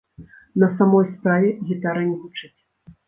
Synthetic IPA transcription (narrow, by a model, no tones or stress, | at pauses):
nɐsamɔjspɾavʲɛɣʲit̪aɾɐnʲɛvut͡ʂɨt͡sʲ